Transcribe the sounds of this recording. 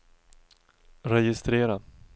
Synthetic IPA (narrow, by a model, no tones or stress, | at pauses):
ɾɛjɪst̪ɾeːɾa